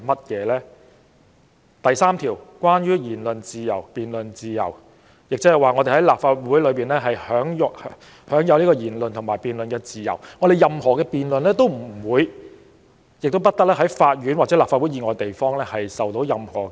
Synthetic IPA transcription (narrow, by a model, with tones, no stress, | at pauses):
mɐ˥t̚jɛː˨˧lɛː˥ | t̪ɐ˨jsaː˥mt̪ʰiː˨˩wkwaː˥njyː˥jiː˨˩nlɵ˨nt͡siː˨˧jɐ̰˨˩wpiː˨nlɵ˨nt͡siː˨˧jɐ̰˨˩w | jɪ˨k̚t͡sɐ˥hjwaː˨ŋɔ˨˧t̪e˨˩hɐ˨˥jlaː˨pfaː˧t̚wuː˨˥jlɵ˨˧ɥpiː˨nlɛː˥ɦɐ˨jhœː˨˥ŋj | hœː˨˥ŋjɐ˨˧wliː˥kɔ˧jiː˨˩nlɵ˨nt̪ʰʊ˨˩ŋmaː˨˩jpiː˨nlɵ˨nkɛː˧t͡siː˨jɐ̰˨˩wŋɔː˨˧ɾe˨˩jɐ˨mhɔː˨˩kɛː˧piː˨nlɵ˨nlɛː˥t̪o˥wm̩˨˩˨wuː˨˧j | jɪ˨k̚t̪o˥wpɐ˥t̪̚ɐ˥k̚lɛː˥ɦɐ˨˥jfaː˧t̚jyː˨˥nwa˨˩t͡sɛː˨˥laː˨p̚faː˧wu˨˦˥jiː˨˧ŋɔː˨˧jt̪e˨jfɔː˥ŋlɛː˥hɐ˨jsɐ˨wt̪o˨˥wjɐ˨mhɔ̰ː˨˩